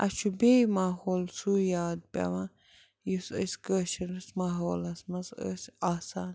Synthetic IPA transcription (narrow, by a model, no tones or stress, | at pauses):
ʔɐt͡ʃʰubeːmaːɦoːlsuːjaːd̪̚pʲɐ̰ʋa | jusə̰sʲkəːʃɐnɐsmaːɦoːlɐsmɐzə̰saːsaːn